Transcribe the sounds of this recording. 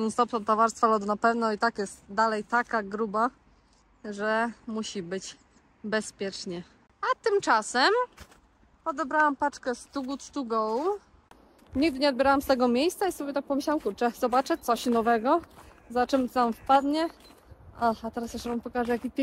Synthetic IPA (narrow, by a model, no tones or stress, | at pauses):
ust̪ɔpnɔt̪ɔvaɾst̪falɔd̪napɛvnɔit̪akjɛst̪d̪alɛjt̪akaɡɾuba | ʐɛmuɕibɘt͡ɕ | bɛspʲjɛt͡ʂɲɛ | at̪ɘmt͡ʂasɛm | pɔd̪ɛbɾawampat͡ʂkɛst̪uɡut̪st̪uɡɔw | ɲiɡd̪ɘɲɛɔd̪̚bʲɛɾawamst̪ɛɡɔmʲjejst̪saisɔbʲjɛt̪ak̚pɔmɘɕlawamkuɾt͡ʂɛzɔbat͡ʂɛt̪ɔɕnɔvɛɡɔ | zat͡ʂɛmt̪amfpad̪ɲɛ | axat̪ɛɾasɛʃvampɔkaʐɛjakʲipʲ